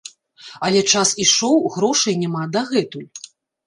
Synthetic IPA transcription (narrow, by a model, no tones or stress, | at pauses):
ɐlʲɛt͡ʂasiʂɔwɣɾɔʂɨjnʲamad̪ɐɣɛt̪ulʲ